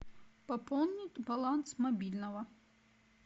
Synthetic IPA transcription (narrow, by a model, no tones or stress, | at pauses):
pɐpɔlˠnʲɪtʲbɐlˠant̪smɐbʲilʲnɐvɐ